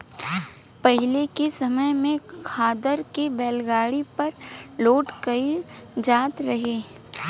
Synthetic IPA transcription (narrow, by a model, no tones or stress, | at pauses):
pɛɦɪlekisɐməjmẽkʰaːd̪əɾkibɛːlɡaːɽipɐɾloːʈkɐid͡ʒaːt̪ɾɐɦeː